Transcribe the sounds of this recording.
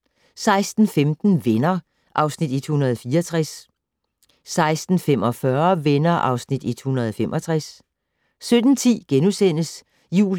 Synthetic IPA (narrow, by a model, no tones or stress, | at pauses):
sɑ̈ɪsd̥n̩femd̥n̩ʋenɐ | ʔɑ̈ʊsnid̥id̥hunɐð̞̩ˠɒfiːɐɒt͡sʰʁas | sɑ̈ɪsd̥n̩femɒ̽fɶɐʋenɐʔɑ̈ʊsnid̥id̥hunɐð̞ˠɒfemʔɒ̽t͡sʰʁas | sød̥n̩t͡sʰḭːɡ̥enusen̰əs | jṵː